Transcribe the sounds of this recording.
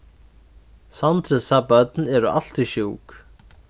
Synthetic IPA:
sant̪ɾɛsapat̪nɛɾʏa̰l̥t̪iʃjuːk

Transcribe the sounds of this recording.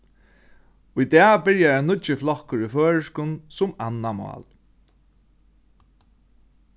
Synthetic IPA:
ʊjd̪ɛabɪɹjaanʊt͡ʃɪflɔhkʊɹiføːɹəʂkʊnsʊmanːamɔ̰ːl

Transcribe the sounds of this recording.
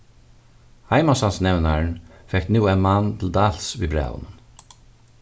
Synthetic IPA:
hɑɪmasɑnsnɛʋnaɹɳfɛk̚t̪nuːɛnmɑnt̪ʰɪld̪ɑlsʋiːbɾæ̰ːʊ̰nən

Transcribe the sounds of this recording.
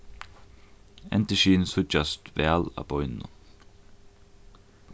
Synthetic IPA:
ɛ̰nt̪əʃiːnsʊt͡ʃɑst̪ʋeɑlɑ̰bɔʏnʊ̰

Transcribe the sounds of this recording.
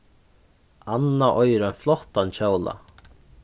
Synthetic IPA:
anːaʔɔjɾanflɔht̪ant͡ɕʰɔwla̰

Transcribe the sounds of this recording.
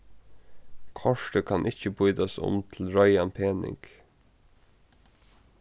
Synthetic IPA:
kʰɔʂʈəkʰɑnʔɪt͡ɕəbʊjd̪asʊ̰mt̪ʰl̩ɹɔjanpʰeːnɪ̰ŋk

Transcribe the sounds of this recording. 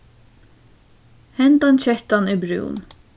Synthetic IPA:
hɛnt̪ɑnçɛht̪ɑniːbɾʉ̰ːn

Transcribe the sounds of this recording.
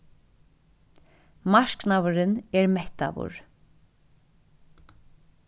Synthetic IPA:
maʃknawɾɪnɛɹmɛht̪a̰ʋʊ̰ɹ

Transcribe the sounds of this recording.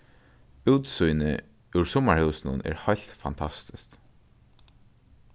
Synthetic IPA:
ʉːt̪sujnə̰ | ʉɹsɔmaɹhɛwsnʊnɛ̰ːɹhɑjlt̪fɑ̰nt̪ʰɑst̪ɪst̪

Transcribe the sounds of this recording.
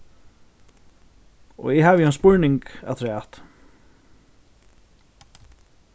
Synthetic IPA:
ɔ̰ɣɛɦaːvjɪanspʊɹnɪŋka̰t̪ʰɾaːt̪

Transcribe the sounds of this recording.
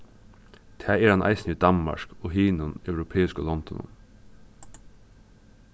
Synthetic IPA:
t̪ʰæːeːɾɑnʔɑ̰ɪsniːd̪ɑnmɑ̰ʃkoːhiːnʊnɑʉɾʊpʰeːɪskolɔnd̪ɔnʊ̰m

